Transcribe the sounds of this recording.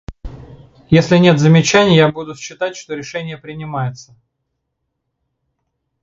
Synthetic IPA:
jesʲlʲɪnʲe̞t̪zəmʲɪt͡ɕænʲɪjjabud̪ʊsɕːɪt̪atʲʂt̪o̞ɾʲɪʂɛnʲɪjəpɾʲɪnʲɪmajɪt̪sə

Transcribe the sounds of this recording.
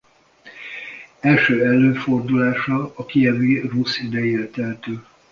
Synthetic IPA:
ɛlʃøːɛlːøːfo̞rd̪ulaːʃɒːkiɛvirusid̪ɛjeːrt̪ɛɦt̪øː

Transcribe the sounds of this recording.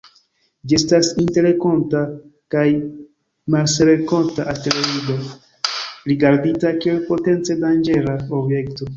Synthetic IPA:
d͡ʒie̞stasinte̞ɾe̞ko̞ntakaj | malse̞ɾeko̞ntaʔateloɾide | ɾiɡaɾditakielpo̞te̞nt͡se̞dand͡ʒe̞ɾaobjekto

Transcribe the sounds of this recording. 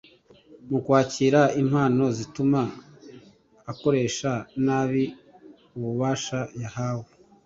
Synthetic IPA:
mukwaːciːɾaimhaːno̞zituma | ko̞ɾe̞ːʃanaːβi | uβuβaːʃajahawe

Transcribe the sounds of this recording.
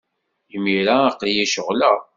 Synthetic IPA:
jmːiɾaːqlijæʃəʁləʁ

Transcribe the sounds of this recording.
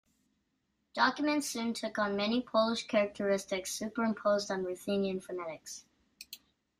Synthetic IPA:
d̥ɑkjəmə̃ntsʉ̃ntʰʊkn̩mɛnipʰoʊlˠɪʃkʰæɹək̚tʰəɹɪstɪksːʉˑpəɹɪ̃mpʰoʊzdə̃n̩ɹʉθĩːnɪ̃ɱfənæɾɪks

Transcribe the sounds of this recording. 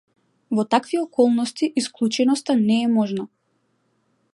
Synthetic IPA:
vɔt̪akviɔkɔlˠnɔst̪iʔisklˠut͡ʃɛnɔst̪anɛːmɔʒnɔ

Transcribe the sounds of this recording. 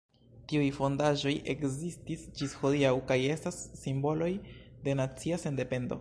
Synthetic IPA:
tiujfo̞ndaʒo̞jʔe̞kzistisd͡ʒisxo̞diawkaje̞stasːimbo̞lo̞jde̞nat͡siase̞nde̞pe̞ndo̞̰

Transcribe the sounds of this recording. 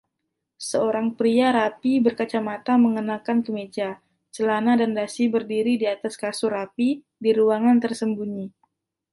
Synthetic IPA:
səoɾaŋpɾiaɾapibərkat͡ʃamat̪aməŋənakankəmed͡ʒa | t͡ʃəlanadandasibərdiɾidiat̪askasurapi | diɾuaŋant̪ərsəmbuɲi

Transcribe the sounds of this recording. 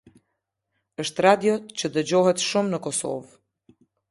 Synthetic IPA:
əʃt̪ɾad̪jɔt͡ɕəd̪əd͡ʑɔhɛt̪ʃumnəkɔsɔ̰v

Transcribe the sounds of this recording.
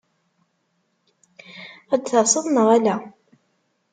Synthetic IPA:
æd̪θɑsˤəðˤnəʁælæ

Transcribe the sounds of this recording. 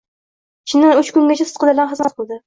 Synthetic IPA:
ʃʰɪnɪʊt͡ʃkʊŋɡʲat͡ʃʰasɨ̥t̪̚qʊlˠabɪlanχɨznat̪̚qʰʊlˠd̪ɪ

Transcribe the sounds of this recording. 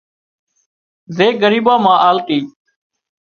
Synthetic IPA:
zeːɡəɾiːbaːmãːʔaːlt̪iː

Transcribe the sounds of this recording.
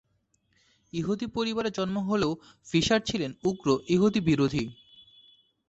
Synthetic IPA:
iɦot̪ipoɾibaɾed͡ʑɔnmoɦoleo | fiʃaɾt͡ɕʰilenuɡɾoʔiɦot̪ibiɾod̪ʱi

